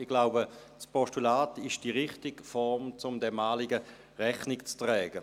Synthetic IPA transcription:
ɪɡlaʊbə | t͡spʰɔʃtulaːtɪʃd̥iʁɪχtɪɡfɔʁmt͡sʊmdɛmaːlɪɡə | ʁɛχnɪkt͡stʁɛːɡ̥ə

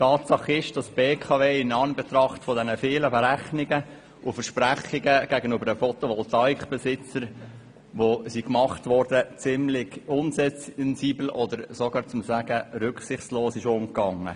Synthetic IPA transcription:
tɑːtsɑχɪʃd̥ɑsb̥eːkʰɑveːɪnɑnbɛt̪ɾɑχtfɔdɛnəfɪːləbɛɾæχnɪɡə | ʔʊfəɾʃpɾæχɪɡəɡ̥æɡənybəɾdəfɔtoʋɔltɑikb̥ɛsɪt͡səɾ | ʋosikmɑχtʋɔɾdət͡sɪmlɪɡ̥ʊnsɛnziːbl̩ʔɔd̪əɾsɔɡɑːɾt͡sʊmsæɡ̥əɾʏkχsɪχtsloːsɪʃʊmkɑŋːə̰

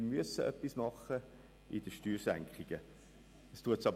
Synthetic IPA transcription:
myəsːəʔœpːismɑχə | ʔidəʃtyːɾsæ̰ŋkχɪɡ̥ə | əstuətsɑb

